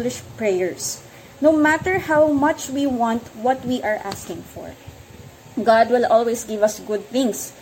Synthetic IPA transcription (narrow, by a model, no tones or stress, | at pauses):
lɪʃpɹɛjɛɹs | nowmæt̪ɛɹhawmʌt͡ʃwiwɑ̃nt̪wʌt̪wiʔaɹʔa̰skɪ̃ŋfɔ̰ɹ | ɡɑd̪̚wɪlʔɔlwesɡɪvɐsɡʊd̪̚θɪ̃ŋs